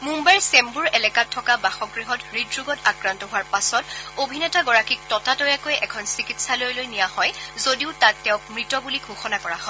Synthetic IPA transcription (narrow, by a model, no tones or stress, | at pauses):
mumbaɹsɛmbuɹɛlɛkatʰːɔkabaxɔɡɹiɦɔtɹidɹuɡɔtakɹantɔɦʊwaɹpasɔtobʱinɛtaɡɔɹakik̚tɔtatɔjakojʔɛkʰɔnsikitsalojlojnijahɔjzodiʊtatːɛʊ̃k̚mɹitɔbuliɡʱuxɔnakɔɹaɦɔ